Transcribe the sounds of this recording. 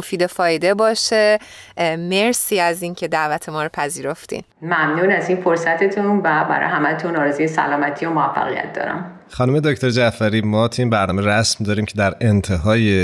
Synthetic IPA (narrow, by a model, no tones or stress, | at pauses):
ofiːd̪e̞fɒːjd̪e̞bɒːʃe̞ | me̞ɾsiːæziːncʰe̞d̪æʔvæt̪ʰe̞mɒːɾopʰæziːɾo̞ft̪ḭnmæmnuːnæzinfoɾsæt̪ʰet̪ʰunvæbæ̰ɾɒ̰jɦæmæt̪ʰunɒːɾezujesæ̰lɒːmæt̪ʰiomoæfːæ̰ɣijæ̰t̪̚d̪ɒ̰ːɾæ̰m | xɒːnume̞d̪ocʰt̪oɾd͡ʒæfæɾiːmɒːt̪ʰinbæɾnɒːmeɾæsmd̪ɒːɾiːmcʰe̞d̪æɾent̪ʰeɦɒːje